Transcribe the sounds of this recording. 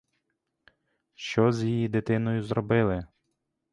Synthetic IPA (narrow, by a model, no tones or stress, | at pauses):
ʃt͡ʃɔzʲjijid̪ɪt̪ɪnɔjʊzɾɔbɪlˠɪ